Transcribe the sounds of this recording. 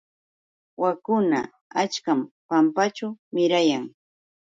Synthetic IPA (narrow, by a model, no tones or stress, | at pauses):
wakʊna̰ | at͡ʃkampampat͡ʃamɪɾajaŋ